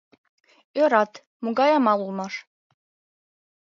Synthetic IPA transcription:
øɾɑt̪ | muɣɑjɑmɑlulˠmɑʃ

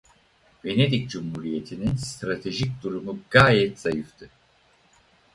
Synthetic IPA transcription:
ve̞ne̞d̪icd͡ʒumhuːɾije̞t̪ʰininst̪ɾat̪ʰe̞ʒic̚d̪uɾumuɡaːjɛt̪z̥ajɯft̪ʰɯ

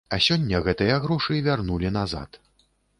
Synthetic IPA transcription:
ɐsʲɔnʲːɐɣɛt̪ɨjɐɣɾɔʂɨvʲarnulʲinaza̰t̪

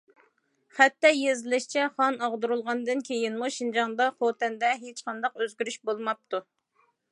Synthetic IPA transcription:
χɛt̪ːɛjezɪlɪʃt͡ʃʰɛχɑnɑʁd̪uɾulˠʁɑnd̪ɨnkʲʰejinmuʃind͡ʒɑŋd̪ɑχot̪ɛnd̪ɛɦet͡ʃqɑnd̪ɑqøzɡʲyɾyʃbolˠmɑp̚t̪ʰu

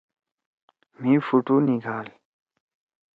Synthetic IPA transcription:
mĩːfuʈuːniɡaːl

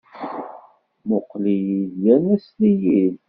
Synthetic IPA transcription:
moqːlijiðjænæslijil

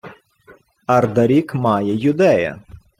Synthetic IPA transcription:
ɐrd̪ɐɾʲikmɑjɛjʊd̪ɛjɐ̰

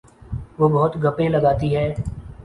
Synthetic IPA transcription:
ʋoːbɐɦʊt̪ɡəpẽləɡaːt̪iɦɛː

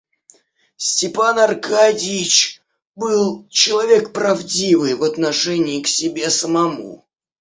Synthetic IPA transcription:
sʲtʲɪpanɐrkadʲɪt͡ɕ | bɨlˠt͡ɕɪlˠɐvʲe̞kpɾɐvdʲivɨjvɐt̪nɐʂɛnʲɪːksʲɪbʲe̞səmɐmṵ

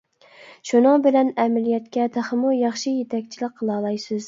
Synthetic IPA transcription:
ʃunɨŋbɪlɛnɛmælijɛt̪kʲʰɛt̪ʰæχəmujɑχʃɨjet̪ʰɛkʲt͡ʃʰilɨq̚qʰːəlˠɑːlˠɑjsɪz̥

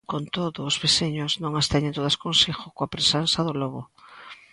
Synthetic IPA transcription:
kont̪oðʊːzβeseɲʊznõŋast̪ɛɲent̪oðɐskonsixʊkoapɾesansaðʊlɔβʊ

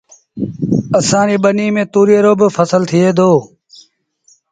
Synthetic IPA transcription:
əsãːɾiːɓəniːmẽːt̪uːɾeːɾoːbəfʰəsəlt̪ʰɪːeːd̪ʱoː

